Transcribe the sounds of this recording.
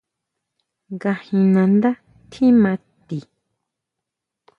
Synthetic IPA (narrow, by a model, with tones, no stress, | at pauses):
ɡa˧hĩ˧nã˧nd̪a˦ | t̪ʰĩ˦mã˧t̪i˨